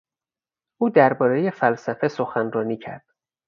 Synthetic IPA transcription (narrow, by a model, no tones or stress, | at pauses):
ʔuːd̪æɾbɒːɾeje̞fælsæfe̞so̞xænrɒːniːcʰæ̰ɾd̪̥